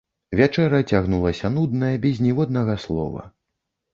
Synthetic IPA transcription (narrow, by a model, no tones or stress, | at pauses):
vʲat͡ʂɛɾɐt͡sʲaɣnulˠɐsʲɐnud̪nɐjɐbʲɛzʲnʲɛvɔd̪̚nɐɣɐslˠɔ̰vɐ̰